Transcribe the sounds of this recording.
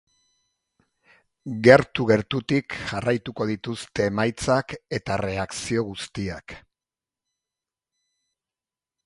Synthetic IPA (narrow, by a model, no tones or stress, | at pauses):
ɡe̞ɾt̪uɣe̞ɾt̪ut̪ikʝarajt̪uko̞ðit̪ust̪e̞ːmajt͡sake̞t̪are̞aksio̞ɣust̪iak